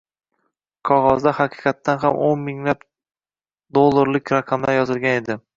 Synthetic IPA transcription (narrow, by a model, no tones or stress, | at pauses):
qʰɒʁɒzd̪ahɑqʰɨ̥qɑt̪ːanɦamʔonmɪŋlap | d̪olˠːaɾlɪkʲɾaqʰɑmlaɾjɒzɪlɡʲane̞d̪ɪ